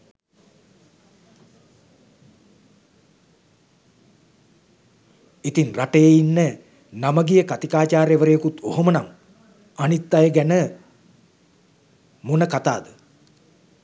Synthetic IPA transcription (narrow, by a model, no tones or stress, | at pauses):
it̪inraʈəjeinːə | naməɡijəkat̪ikaːt͡ʃaːɾjeʋəɾejekut̪oɦomənaŋ | anit̪ːajəɡænə | monəkat̪a̰ːd̪ə